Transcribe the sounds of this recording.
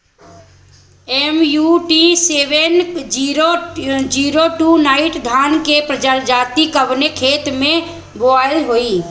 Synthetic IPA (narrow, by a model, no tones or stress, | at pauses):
emjuʈiseːʋenːɾod͡ʒiːɾoʈuːnaːɪʈd̪ʱaːnkepɾəd͡ʒaɾd͡ʒaːt̪ikəbnekʰeːt̪mẽ | boaːlɦoːiː